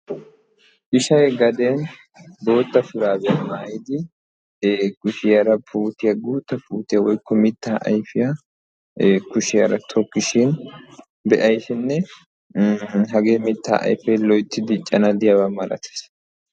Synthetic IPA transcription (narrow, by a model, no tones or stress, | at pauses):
ʔɪʃɐjɛɡɐd̪ɛn | bo̞ːt̪ːɐfɪɾaːbɛmaːjɪd̪ɪ | kʊʃɪjɐɾɐpʰuːt̪ɪjɐɡoːt̪ːɐpuːt̪ɪjɐwɔjkːɔmɪt̪ːaːʔɐ̰jfɪjɐ | kʊʃɪjɐɾɐt̪ʰɔkːɪʃɪn | bɛʔɐjsɪnːɛ | ɦɐɡeːmɪt̪ːa̰ːʔɐ̰jfɛjlɔjt̪ːɪd̪ɪt͡ʃʼːɐnɐd̪ɪjɐβɐmɐlɐ̰t̪ʰɪ̥s